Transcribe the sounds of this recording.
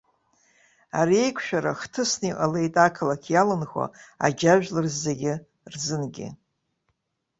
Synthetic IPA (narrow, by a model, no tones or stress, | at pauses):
aɾie̞jkʷʰʃᶣaɾaχtʰɨsniqʼale̞jtʼakʰɨlakʲʰjalɨnχʷa̰a̰d͡ʒaʒᶣlɨrzːeɡʲɪ | rzɨnɡʲɪ̰